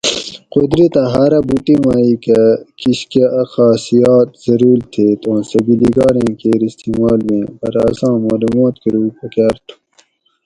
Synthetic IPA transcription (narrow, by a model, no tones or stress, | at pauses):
qod̪ɾit̪ɐɦaːɾɐbuʈ̪imaːikɐkiɕkeʔɐxaːsijaːt̪̚zɐɾuːlt̪ʰeːt̪õːsɐbiliɡaːɾẽːkeːɾist̪iːmaːlmẽpɐɾɐsãːmaːlumaːt̪kiɾuːpɐkaːɾt̪ʰu̥